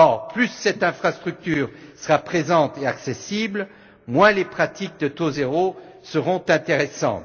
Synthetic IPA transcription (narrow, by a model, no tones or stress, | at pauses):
ɔʁplysːɛt̪ɛ̃fχast̪χyk̚t̪yːʁsəʁapχezɑ̃t̪eaksesibl | mwɛ̃lepχat̪ik̚d̪ət̪ozeʁo | səʁɔ̃t̪ɛ̃t̪eʁɛsɑ̰̃t̪